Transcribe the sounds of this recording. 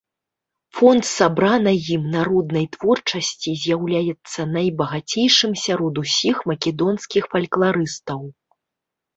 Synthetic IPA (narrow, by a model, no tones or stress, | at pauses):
fɔnt̪sabɾanɐjimnaɾɔd̪nɐjt̪vɔrt͡ʂɐsʲt͡sʲizʲjawlʲajɛt̪sːɐnɐjbɐɣat͡sʲejʂɨmsʲaɾɔd̪usʲixmɐkʲɛd̪ɔnskʲixfɐlʲklˠaɾɨst̪ɐw